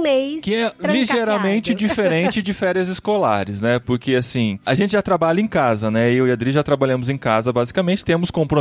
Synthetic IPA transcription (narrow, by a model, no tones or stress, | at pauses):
mekɪɛliʒeɾamẽnt͡ʃɪd͡ʒifeɾẽnt͡ʃɪd͡ʒɪfɛɾjɐzɪskola̰ɾɪsnɛpoɾkeasĩaʒẽnt͡ʃɪʒat̪ɾabaʎɐẽkazɐnɛɪʊiad̪ɾiʒat̪ɾabaʎɐ̃mʊzẽkazɐbazikɐmẽnt͡ʃɪ̥t̪ẽmʊskõpɾo